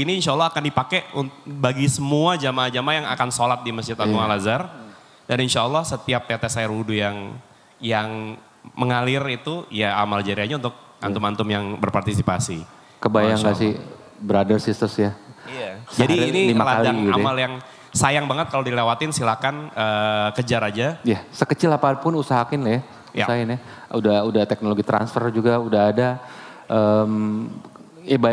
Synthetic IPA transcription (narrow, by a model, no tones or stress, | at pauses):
iniːnʃalːɔhakandipakɛunbaɡisəmuad͡ʒamad͡ʒamajaŋa̰kansolat̪̚diməsd͡ʒɪt̪anumalazar | daninʃaːlːɔhsət̪iap̚ːet̪esaɪrwudujaŋ | jaŋ | məŋalɪrit̪ujaamald͡ʒaɾiaɲaunt̪ʊk̚ | ant̪umant̪ʊmjaŋbərpart̪is̬ipasi | kəbajaŋɡasi | bəɾadərsist̪əsjaiasd͡ʒadiaɾnilimalaaldaŋɡamaljaŋ | sajaŋbaŋət̪̚kalodilewat̪ɪnsilakanəkəd͡ʒaɾad͡ʒajasəkət͡ʃɪlapapʊnusaɦakɪnlɪ | uaɦaɪna | udahudat̪ɛk̚noloɡit̪ɾa̰nsfərd͡ʒuɡaudaɦːdaʔəm | eba